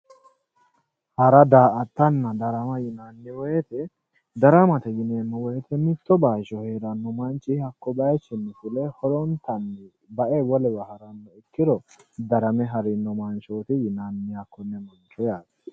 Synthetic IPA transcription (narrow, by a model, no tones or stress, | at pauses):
hɐɾɐd̪aːʔɐt̪ːɐnːɐd̪ɐɾɐmɐjɪnanːɪwɔjɛt̪ɛ | d̪ɐɾɐmɐt̪ɛjɪnenːɔwɔjt̪ʰɛmɪt̪ːɔbaːʃɔheːɾɐnːɔmɐnt͡ʃːɪhɐkːɔbɐjt͡ʃːɪnːɪfʊlɛhɔɾɔnt̪ɐnːɪ | bɐʔɛbɔlɛbɐhɐɾɐnːɔɪkːɪɾɔ | d̪ɐɾɐmɛɦɐɾɪnːɔmɐnt͡ʃoːt̪ɪjɪnanːɪjakːɔnːɛmɔlt͡ʃʼːɛjaːd